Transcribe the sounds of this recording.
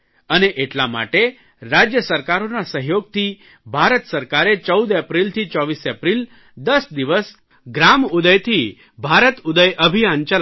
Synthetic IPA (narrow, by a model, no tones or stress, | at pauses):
əneʔeʈlama̰ʈe | ɾad͡ʒjəsəɾkaɾonasəɦjoɡ̚t̪ʰi | bʱaɾət̪səɾkaɾet͡ʃəwd̪epɾilt̪ʰit͡ʃɔʋisepɾil | d̪əsd̪iʋəs | ɡɾamud̪əjt̪ʰi | bʱaɾət̪ud̪əjʔəbʱijant͡ʃə